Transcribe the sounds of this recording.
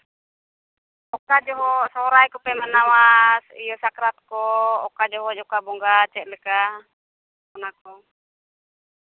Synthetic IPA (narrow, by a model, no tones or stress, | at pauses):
ɔkad͡ʒɔɦɔsɔɾajkupɛmanawasijɔsakɾat̪̚kɔɔkad͡ʒɔɦɔd͡ʒɔkabɔŋɡat͡ʃɛʔləka | kɔnakɔ